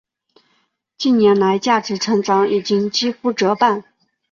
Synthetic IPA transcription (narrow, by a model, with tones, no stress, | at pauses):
t͡ɕi˥˩nnjɛ˧˥nla˧˥ɪt͡ɕja˥˩ʈ͡ʂɻ̩˧˥ʈ͡ʂʰɤ˧˥ŋʈ͡ʂɑ˧˥ŋi˨˩t͡ɕi˥ŋt͡ɕi˥fu˥˩ʈ͡ʂɤ˧˥pa˥˩n